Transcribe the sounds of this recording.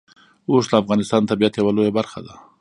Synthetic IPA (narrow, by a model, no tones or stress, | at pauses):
oslaafɣɑnɪst̪ɑnt̪abijat̪jawalojabaɾxa̰d̪a